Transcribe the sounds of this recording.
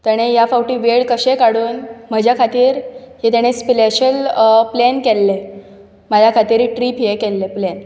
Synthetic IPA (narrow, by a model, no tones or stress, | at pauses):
t̪əɽ̃ejafawʈiːʋeɭkəɕekaɽuːnməd͡ʑʱjakʰat̪iːɾ | ɦet̪aɽ̃espleɕəlplenkelːe | məd͡ʑʱjakʰat̪iːɾʈɾipʰjekelːeplen